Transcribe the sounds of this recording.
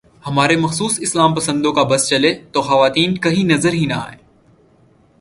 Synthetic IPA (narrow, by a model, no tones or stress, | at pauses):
hɐmaːɾemɐxsuːsɪslaːmpɐsə̃nd̪okabɐst͡ʃɐlet̪oːxɐʋaːt̪iːnkɐɦinɐzəɾɦinɐa̰ːɦeː